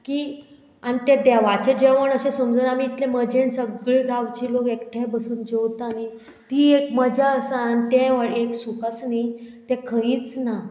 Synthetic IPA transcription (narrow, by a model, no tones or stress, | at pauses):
kiː | anit̪ɛ̃d̪ɛʋat͡ɕed͡ʑeʋəɳəɕẽsəmd͡zənamiːt̪lẽməd͡ʑẽnsəɡɭiːɡʱawt͡ɕiːlokekʈʰẽbəsuːnd͡ʑewt̪ani | t̪iekməd͡ʑʱaəsaːnit̪ẽʋəɭeksukəsnit̪ɛkʰə̃ĩːt͡sna